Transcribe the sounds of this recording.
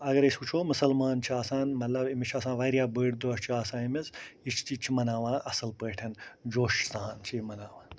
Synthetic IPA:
ɐɡɐɾesut͡ʃʰoːmʊsɐlmaːnt͡ʃʰiaːsãːnmɐt̪lɐbimit͡ʃʰaːsãːʋɐːɾjaːbəːɽd̪oɐst͡ʃʰiaːsãːimizit͡ʃʰt͡ʃit͡ʃʰimɐnaːʋãːʔɐsɐlpəːʈʰɐnd͡ʒoːʃsaːnt͡ʃʰimɐnaːʋãː

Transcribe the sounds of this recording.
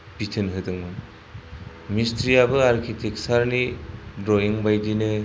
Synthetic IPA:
bitʰɯnɦɯdɯŋmɯ | mistʰɾijabɯaɾkʰitʰek̚saɾnidɾɔiŋbajdinɯ

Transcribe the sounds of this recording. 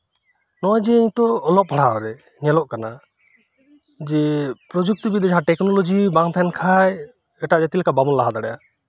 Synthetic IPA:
nɔwad͡ʒɛiɲt̪ɔːlɔʔ̚pʰaɽ̤aaɾɛ | ɲɛlɔʔkana | d͡ʒɛpɾɔd͡ʒuk̚t̪ɔbid̪ɔd͡ʒɦaʈɛknɔlɔd͡ʒibaŋt̪ʰankʰaj | ɛʈaʔd͡ʒat̪ilɛkabamɔnlaɦad̪aɽɛja̰

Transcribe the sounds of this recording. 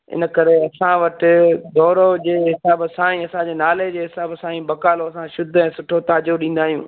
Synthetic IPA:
ɪ̰nə̆kɐɾeɐsãʋɐʈɪd̪ɔːɾod͡ʑeːɦɪsaːbsãːĩɐsãd͡ʑeːnaːled͡ʑeːɦɪsaːbsãːĩbɐkaːloɐsãʃʊd̪ʱɛ̃ːsʊʈʰot̪aːd͡ʑoɗĩːn̆d̪aːɦijũː

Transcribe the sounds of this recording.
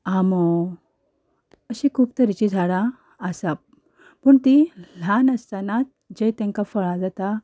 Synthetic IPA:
amɔ | əɕikʰuːpt̪əɾit͡ɕid͡zʱaɽã | əsap̚ | pəɳt̪il̤anəst̪anat̪̚ | d͡ʑejt̪ɛ̃ŋkafəɭad͡zat̪a

